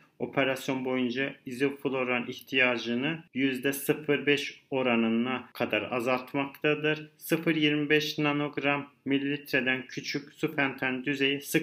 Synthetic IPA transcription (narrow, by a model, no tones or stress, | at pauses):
o̞pʰeɾasjo̞nbo̞jund͡ʒaizifulˠo̞ɾanʔiçt̪ʰijaːd͡ʒɯnɯjyzd̪ɛsɯfɯɾbɛʃo̞ɾanɯnakʰad̪aɾa̰zalˠt̪makt̪ʰad̪ɯɾsɯfɯɾjiɾmibɛʃnanoɡɾamːilʲːit̪ʰɾed̪æncʰyt͡ʃʰycsupænt̪ʰand̪yze̞jisɯ